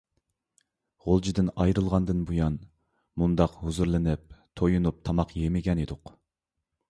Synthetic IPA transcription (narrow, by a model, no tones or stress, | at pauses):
ʁolˠd͡ʒid̪ɪnɑjɾɨlˠʁɑnd̪ɨnbujɑn | mund̪ɑqhuzuɾlˠɨnɪp̚t̪ʰojunup̚t̪ʰɑmɑqjemɪɡʲɛned̪ʊq